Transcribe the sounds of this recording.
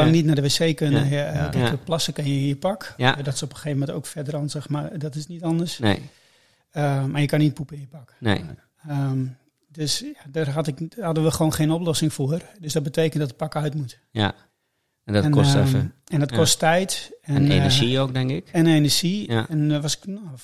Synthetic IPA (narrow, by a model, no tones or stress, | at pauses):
laŋnitnadəʋeːseːkønəjɡɛkəplasəkənjəɪnjəpakdɔtɪ̥sopəeːvəmɛntowkfɛdəɾɔnsəxmardɔtɪsnitɔndərs | əmarjəkanit̚pupəɪnjəpaknḛ | əm | døsjadərɦatɪkhadəʋəχəʋoːnxeːnoplɔsɪŋfoərdøsdɔt̚bəteːkəntdɔtət̚pakœɥtmut | ja̰ | dɔɛnkɛfɛndɔt̚kɔstɛjtɛnḛəʒiok̚dɛŋkɪkɛnenərʒiɛnʋɔsɪ̥ko